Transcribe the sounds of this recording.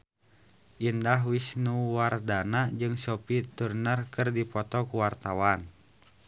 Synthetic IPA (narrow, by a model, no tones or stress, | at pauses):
ʔindaɦwisnuwardanad͡ʒɨŋsɔpit̪urnərkɨrdipɔt̪ɔkuwart̪awan